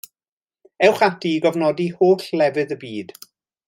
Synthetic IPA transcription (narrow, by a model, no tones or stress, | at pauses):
ɛwχatiɡɔvnɔdihoːɬlɛvɨðəbiːd̥